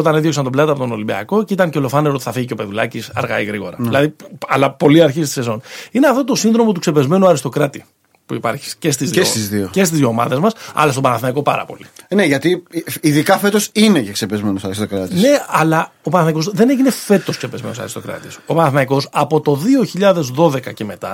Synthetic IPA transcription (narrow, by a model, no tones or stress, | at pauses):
ot̪ɐninðjo̞ksɐnt̪o̞blɐt̪ɐpo̞t̪ono̞limbiɐ̰ko̞ceit̪ɐŋcelo̞fɐneɾot̪i̥θɐfiʝiceo̞pe̞ðulɐ̰cisɐ̰ɾɣɐ̰iɣɾiɣo̞ɾɐ̰ðilɐðiɐlɐpo̞liɐɾçist̪i̥sezo̞nineɐft̪ot̪o̞sinðɾo̞mot̪ukse̞pe̞zme̞nuɐɾist̪o̞kɾɐt̪i | puipɐ̰ɾçi̥scest̪izðesizðioce̞st̪izjiomɐ̰ðe̞zmɐsɐ̰lɐst̪obɐnɐθmɐikopɐ̰ɾɐ̰po̞̰lḭneʝɐt̪iiðikɐfe̞t̪o̞sineceksepezme̞nosɐɾist̪okɾɐt̪isne̞ɐlɐo̞pɐnɐθmɐiko̞zðe̞ne̞ʝine̞fe̞t̪o̞skse̞pe̞zme̞̰nosɐ̰ɾist̪o̞kɾɐ̰t̪iso̞pɐnɐθmɐiko̞sɐpo̞t̪o̞ðioçiʎɐðe̞zðo̞ðe̞kɐce̞me̞t̪ɐ̰